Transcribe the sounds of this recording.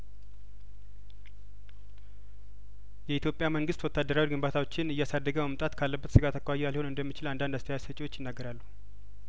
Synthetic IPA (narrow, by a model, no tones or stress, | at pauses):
jɛit̪jo̞pʼjaməŋɡɨst̪wɔt̪ʰːad̪ːəɾawiɡɨmbat̪ʰawo̞t͡ʃːɪnɨjːasad̪ːəɡəməmt̪ʼat̪kʰalːəbːət̪sɨɡat̪ʰakʰːawajːɛaliho̞nɨnd̪əmːit͡ʃɪland̪and̪ast̪ʰəjasət͡ʃʼɪwo̞t͡ʃːjɪnːaɡːəɾalːuhu